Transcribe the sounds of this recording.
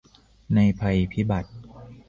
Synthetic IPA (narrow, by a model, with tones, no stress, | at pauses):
na˧jpʰa˧jpʰi˦˥ba˨˩t̪̚